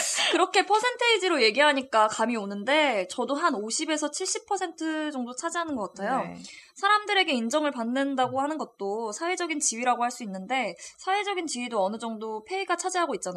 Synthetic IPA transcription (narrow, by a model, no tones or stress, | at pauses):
kɯɾʌkʰe̞pʰʌsʰe̞ntʰɯid͡ʑiɾoje̞ɡiɦaɲik͈akamionɯnde̞t͡ɕʌdoɦanoɕʰibe̞sʰʌt͡ɕʰiɭɕ͈ipʰʌsʰe̞ntʰɯd͡ʑʌŋdot͡ɕʰad͡ʑiɦanɯnɡʌk͈atʰajo̰sʰaɾamdɯɾe̞ɡe̞ind͡ʑʌŋɯɭpanːɯndaɡohanɯnɡʌt̚t͈osʰawe̞d͡ʑʌɡint͡ɕiɥiɾaɡohaɭs͈uinːɯnde̞sʰawe̞d͡ʑʌɡint͡ɕiɥidoʌnɯd͡ʑʌŋdopʰe̞iɡat͡ɕʰad͡ʑiɦaɡoit̚t͡ɕ͈ana